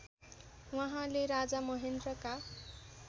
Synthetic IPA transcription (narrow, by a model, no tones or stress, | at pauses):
waɦãleɾad͡zamʌɦend̪rʌka